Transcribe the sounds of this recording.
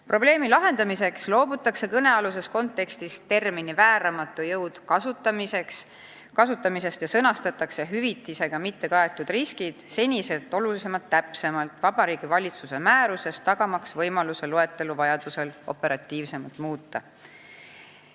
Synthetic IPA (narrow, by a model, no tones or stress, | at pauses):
pro̞ble̞ːmilɑɦe̞nd̪ɑmise̞kslo̞ːbut̪ːˑɑkse̞kɤne̞ɑlus̬e̞sko̞nt̪ːˑe̞kst̪ist̪e̞rminivæːɾɑmɑt̪ːˑujɤwd̪̥kɑsut̪ːɑmise̞ks | kɑsut̪ːˑɑmise̞st̪jɑsɤnɑst̪ɑt̪ːˑɑkseɦyvit̪ːˑise̞ɡ̥ɑmit̪ːe̞kɑe̞t̪ːˑud̪̥riskid̪̥se̞nʲise̞lt̪ːˑo̞lulis̬e̞mɑlt̪ːæpse̞mɑlt̪ˑvɑb̥ɑɾiːɡ̥ivɑlʲit̪suse̞mæːɾuse̞st̪t̪ːɑɡ̥ɑmɑksvɤjmɑluse̞loe̞t̪ːˑe̞luvɑjɑd̪̥use̞lo̞̰pe̞ɾɑt̪ːˑiːvse̞mɑlt̪muːt̪ːɑ̰